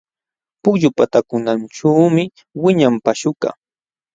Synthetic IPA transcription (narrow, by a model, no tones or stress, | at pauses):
pʊkʎʊpat̪akʊnanʈ͡ʂuːmɪ | wɪɲampaʃʊka̰